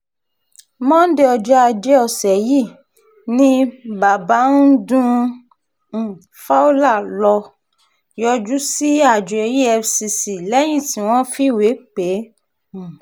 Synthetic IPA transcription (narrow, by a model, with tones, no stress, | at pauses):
mɔ̃˦n̩˦de˦˧ɔ˧d͡ʒɛ˦a˧d͡ʒe˦ɔ˧˨sɛ˨ji˦˨ | nĩ˦ba˨ba˨˦n̩˦dũ˦˨ | fa˦o˦la˦˨lɔ˧ | jɔ˧d͡ʒu˦si˦a˦˨d͡ʒu˨e˧˨ji˦ɛ˧fsi˧si˨lɛ˦j̃ĩ˦˨ti˨˦w̃ɔ̃˦fi˦˨we˨˦k͡pẽ˨˦˨